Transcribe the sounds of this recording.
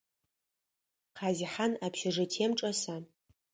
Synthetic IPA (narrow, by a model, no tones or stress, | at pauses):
qʰaziħanapʰʃɪʐɨtʰemʈ͡ʂʼɐsa